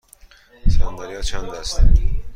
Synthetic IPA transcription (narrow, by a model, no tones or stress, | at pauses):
sænd̪æɾijɒːt͡ʃʰænd̪æst̪